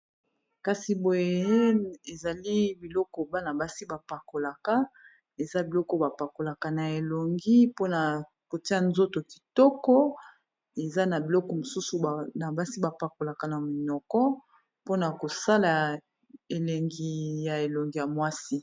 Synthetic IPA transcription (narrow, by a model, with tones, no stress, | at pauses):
ka˦si˨bo˨je˨˦e˨za˨li˦bi˨lɔ˦kɔ˨ba˦na˨ba˦si˦ba˨pa˨ko˨la˨ka˦ | e˨za˦bi˨lɔ˦kɔ˨ba˨pa˨ko˨la˨ka˨na˨e˨lo˨ŋɡi˦po˦na˨ | ko˨ti˦a˦˨nzo˦to˨ki̥˨tɔ˦kɔ˦ | e˨za˦na˨bi˨lɔ˦kɔ˨mo˨su˦su˨na˨ba˦si˦ba˨pa˨ko˨la˨ka˨na˨mi˨nɔ˨kɔ˦ | po˦na˨ko˨sa˦la˨ | e˨le˨ŋɡi˨ja˨e˨lo˨ŋɡi˦ja˨mwa˦si˦